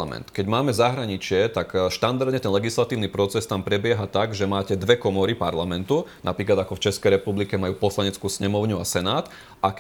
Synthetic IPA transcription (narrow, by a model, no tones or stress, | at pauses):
amɛ̰nt̪kɛɟmaːmɛzaɦɾaɲit͡ʃɪɛt̪akʃt̪and̪aɾd̪ɲɛt̪ɛnlɛɡislat̪iːʊnipɾɔt͡sɛst̪ampɾɛbɪɛɦat̪aɡʒɛmaːcɛd̪ʋɛkɔmɔɾipaɾlamɛnt̪unapɾiːklad̪akɔft͡ʃɛskɛjɾɛpublikɛmajuːpɔslaɲɛt͡skuːsɲɛmɔʊɲuasɛnaːt̪ | ʔak